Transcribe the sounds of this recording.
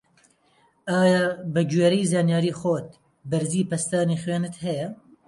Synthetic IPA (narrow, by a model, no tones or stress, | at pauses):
aːjaːbɐd͡ʒuweːɾɐjzaːnjaːɾiːxoːt̪̚ | bɐɾziːpɐst̪aːniːxweːnɨt̪hɛjɐ